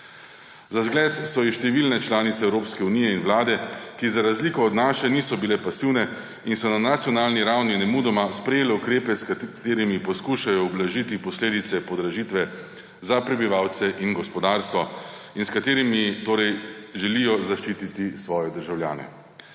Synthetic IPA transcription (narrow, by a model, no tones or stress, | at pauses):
zazɡlɛːt̪sɔjiʃt̪ɛʋilnɛt͡ʃlaːnit̪sɛːwɾoːpskɛuniːjɛinwlaːd̪ɛkizaɾazliːkɔːd̪naːʃɛniːsɔbilɛpasiːwnɛ | insɔnanat̪sijɔnaːlniɾawninɛmuːd̪ɔmaspɾɛjeːlɛukɾeːpɛskat̪eːɾimipɔskuʃajɔɔblaʒit̪ipɔsleːd̪it̪sɛpɔd̪ɾaʒiːt̪ʋɛ | zapɾɛbiʋawt̪sɛʔinɡɔspɔd̪aːɾst̪ʋɔinskat̪eːɾimit̪oːɾɛjʒɛlijɔzaʃt͡ʃiːt̪it̪isʋɔːjɛd̪əɾʒawlja̰ːnɛ̰